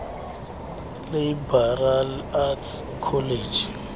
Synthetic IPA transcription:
leibaralat | kʰɔled͡ʒi

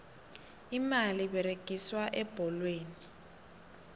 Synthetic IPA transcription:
imaliβɛɾeɡ̥ʱiswaʔɛb̥ʱɔlweːni

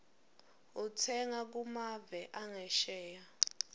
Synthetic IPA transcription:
utʰɛŋak̬umavɛʔaŋɛʃɛːja

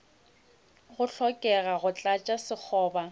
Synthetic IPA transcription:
ɣʊɬʰɔkʼɛɣaɣʊt͡ɬʼat͡ʃʼasɪk͡xʰɔːba

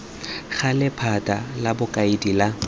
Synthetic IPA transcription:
ɣalɪpʰatʼalabʊkʼaɪdila

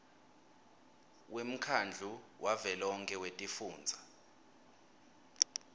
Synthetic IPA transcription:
wem̩kʰand͡ɮʱuwavɛlɔŋkʼɛwetʼifuːnd͡zʱa

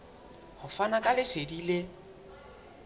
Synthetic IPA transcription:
hʊfanakʼalɪsedilɪ

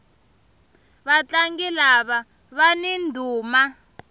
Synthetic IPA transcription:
βat͡ɬaŋɡilaβa | βanindʱuːma

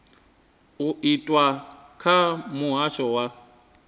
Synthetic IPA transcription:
uitʼwakʰamuɦaʃɔwa

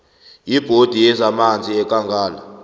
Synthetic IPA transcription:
jib̥ʱod̥ʱijɛzamand͡zʱʼiɛkʼaŋɡʱaːla

